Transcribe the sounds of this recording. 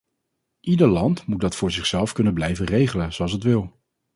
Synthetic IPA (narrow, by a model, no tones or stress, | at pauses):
ʔidəɹlɑntmut̚dɑtfʊːɹzɪχsɛlˠfkɵnənblɛjvənrejχələnzoɑlˠs̬ətʋɪlˠ